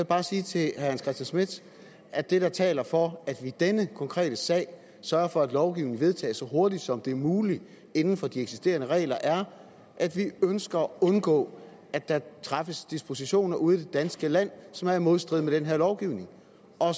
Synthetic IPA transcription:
b̥ɑ̈ːsiːt͡sʰe̝hæænskʰʁɛsd̥jænsmed̥ | ʔæd̥e̝ɾ̥ɑ̈t͡sʰɛ̰ːlɐfɒ̽æd̥ʋid̥enəkʰɒ̽ŋkʰʁɛ̰ːɾ̥əsɛ̰ɪ | sɶɐɐfɒ̽æd̥lɒʊɡ̥iʊne̝ŋʋe̝ð̞ˠt͡sʰɛ̰ːsɒ̽ɦo̝ɐd̥id̥sɒ̽md̥e̝æɐmuːli | e̝nn̩fɒ̽d̥ieɡ̥si̥sd̥e̝̰ːɐnəʁɛ̰ːlɐʔæɐ | ʔæd̥ʋiønsɡ̥ɐɔ̽nɡ̥ɔ̰̽ː | æ̥d̥ɑ̈t͡sʰʁɑ̈fəsd̥isb̥o̝siɕo̝̰ːnɐʔuð̞̩ˠd̥e̝d̥ænsɡ̥əlæn̰sɒ̽mæɐɐmo̝ðˠsd̥ʁiðˠmed̥enɦeɐlɒʊɡ̥iʊne̝ŋ | ʔɒ̽

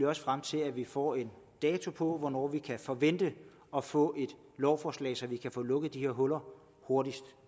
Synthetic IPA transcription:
ɒ̽sə̥fʁam̰t͡sʰe̝læʋifɒ̰ːe̝n | d̥ɛːt͡sʰo̝pʰɔ̽ʋɒnɒ̰ːʋikʰæfɒʋen̰d̥ə | ɒ̽fɔ̰̽ːʔe̝d̥ | lɒʊfɒːslɛ̰ɪsɒ̽ʋikʰæfɔ̽ːlɔ̽ɡ̥əð̩ˠd̥iheɐɦɔ̽lɐ | ho̝ɐdisd̥

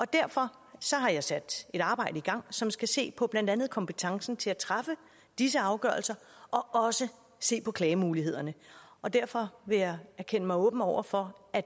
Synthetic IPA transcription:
ɒ̽d̥æɐ̰fɒ̽ | sɒ̽ɦɑ̈jɑ̈ɪsæd̥e̝ɾ̥ɑ̈ːb̥ɑ̈ɪ̰d̥əiɡ̥ɑ̈ŋ̰sɒ̽msɡ̥æse̝̰ːpʰɒ̽b̥lænd̥ænð̩ˠkʰɒ̽mpʰət͡sʰɑ̈ŋsn̩t͡sʰe̝læt͡sʰʁɑ̈fə | d̥is̬əɑ̈ʊɡ̥ɶ̰ɐlsɐ | ɒ̽ɒ̽sə | se̝̰ːpʰɒ̽kʰlɛːɪmuːlihe̝ð̞̰ˠɐnəɒ̽d̥æɐ̰fɒ̽ʋe̝jɑ̈ɪæɐkʰenəmɑ̈ɪɔ̽ːb̥n̩ɒʊ̰ɐfɒ̽æ̥

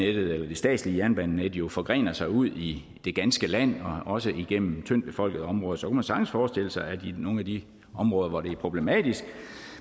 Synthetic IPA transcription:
ed̥ð̩ˠelɐd̥e̝sd̥ɛ̰ːd̥sliəjæɐnb̥ænːed̥jo̝fɒ̽ɡ̥ʁḛːnɐsɑ̈ɪuð̞̰ˠi | d̥e̝ɡ̥ænsɡ̥əlæn̰ɒ̽ɒ̽səiɡ̥em̰m̩t͡sʰøn̰b̥e̝fɒ̽l̰ɡ̥ð̩ˠɒ̽mʁɔ̽ːðˠsɒ̽kʰumænsɑ̈ɡ̥n̩sfɒːsd̥e̝l̰əsɑ̈ɪædino̝ːn̩æd̥i | ɒ̽mʁɔːð̞ˠɐʋɒɾe̝æɐpʰʁo̝b̥le̝mɛːd̥isɡ̥

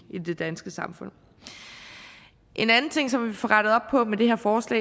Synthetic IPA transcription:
id̥e̝d̥ænsɡ̥əsɑ̈mfɔ̽n̰ | ʔe̝nænn̩t͡sʰe̝ŋ̰sɒ̽mʋifɒʁaɾ̥əð̞̩ˠɒ̽b̥̚pʰɒ̽med̥e̝hæɐfɒːslɛ̰ː

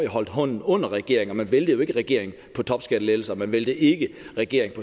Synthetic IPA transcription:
jɑɦɒ̽l̰d̥ɦɔ̽n̰n̩ɔ̽n̰ɐʁɛɡ̥e̝ɐe̝ŋɒ̽mænʋeld̥əjo̝e̝ɡ̥əʁɛɡ̥e̝ɐ̰e̝ŋ̩ | pʰɒ̽t͡sʰɒ̽b̥sɡ̥æd̥əlel̩sɐmænʋeld̥əʔe̝ɡ̥əʁɛɡ̥e̝ɐ̰eŋpʰɒ̽

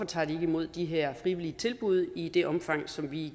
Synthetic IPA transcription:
ɒ̽t͡sʰɑ̰̈ːd̥ie̝ɡ̥imo̝ð̰ˠd̥iɦeɐ̰fʁiʋiliət͡sʰe̝lb̥uð̞̰ˠid̥e̝ʔɒ̽mfɑ̈ŋ̰sɒ̽mʋi

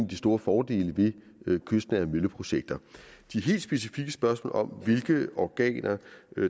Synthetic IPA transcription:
nd̥isd̥o̝ːɐfɒːd̥e̝̰ːləʋe̝ | kʰøsd̥næmøləpʰʁo̝ɕeɡ̥̚d̥ɐd̥iæɐɦe̝̰ːld̥sb̥e̝sifiɡ̥əsb̥ɶɐsmɔ̰ːlɒ̽mʋe̝lɡ̥əɒɡ̥ɛ̰ːnʔɐ

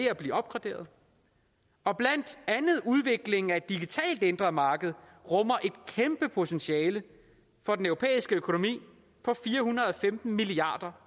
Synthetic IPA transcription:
e̝æb̥liːɒ̽b̥̚ɡ̥ʁɑ̈d̥e̝̰ːɐð̞̩ˠ | ɒ̽b̥læn̰d̥ænð̩ˠuð̞ˠʋe̝ɡ̥le̝ŋŋ̩æe̝d̥ːiɡ̥it͡sʰɛ̰ːld̥e̝nd̥ʁɐmɑ̈ːɡ̥əð̞̩ˠ | ʁɔ̽mɐʔe̝d̥̚kʰemb̥əpʰo̝t͡sʰenɕiɛːlə | fɒ̽d̥enœʊʁo̝pʰḛːisɡ̥əøkʰo̝no̝mḭː | pʰɒ̽fiːɐɦunɐðˠɒ̽femd̥n̩miliɑ̰̈ːd̥ɐ

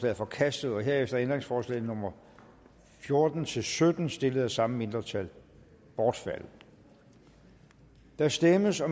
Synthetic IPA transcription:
lɛ̰ːðˠfɒ̽kʰæsd̥ð̩ˠɒ̽ɦe̝ɐ̰efd̥ɐend̥ʁeŋsfɒːslɛ̰ːð̩nɔ̽mɐ | fjo̝ɐd̥n̩t͡sʰe̝lsød̥n̩sd̥e̝ləð̩ˠæsɑ̈məme̝nd̥ʁɐt͡sʰæl | b̥ɒːd̥fæl̰ | d̥ɑ̈sd̥eməsɒ̽

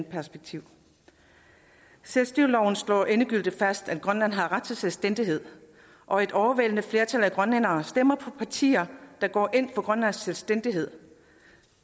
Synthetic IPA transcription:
pʰæɐsb̥eɡ̥̚t͡sʰiʊ̰ | selsd̥ʁiʊ̰lɒʊ̰n̩slɒ̰ːʔe̝nəɡ̥yl̰d̥ifæsd̥æd̥̚ɡ̥ʁɶnlæn̰ɦɑ̈ʁɑ̈d̥̚t͡sʰe̝lselsd̥en̰d̥iɦe̝ð̰ˠ | ʔɒ̽e̝d̥ɒʊɐʋelənəfle̝ɐt͡sʰælæɡ̥ʁɶnenɐːsd̥em̰ɐpʰɒ̽pʰɑ̈t͡sʰḭːɐd̥ɑ̈ɡ̥ɒ̰ːʔe̝n̰fɒ̽ɡ̥ʁɶnlæn̰sːelsd̥en̰d̥iɦe̝ð̞̰ˠ

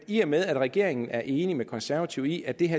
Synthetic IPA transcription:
iɐmeðˠæd̥ʁɛɡ̥e̝̰ɐ̰e̝ŋn̩ʔæɐʔe̝ːnimekʰɒ̽nsæɐʋæt͡sʰiʊ̰iæd̥e̝ɦæ

